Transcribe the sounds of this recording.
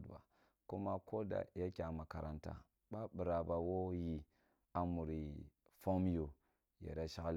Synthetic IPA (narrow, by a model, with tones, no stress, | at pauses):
dba̰˨ | ku˦ma˦ko˦da̰˨ja˦kʲa˨ma˨ka˨ɾʔa˨nta̰˨ | ɓa˦bi˨ɾa˨ba˨wo˦ji˨ | a˨mu˨ɾi˨ | fo˦m˦jo˨ | ja̰˨ɾa˦ʃa˦ɣl